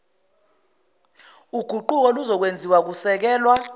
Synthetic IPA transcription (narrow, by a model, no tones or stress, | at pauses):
uɡ̥ʱuǃuk̬ɔluzɔk̬wend͡zʱiwak̬usɛk̬ɛːlwa